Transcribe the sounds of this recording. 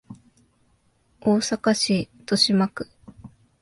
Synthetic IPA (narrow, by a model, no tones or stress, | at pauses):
oːsakaɕit̪o̞ɕimakɯ̟̥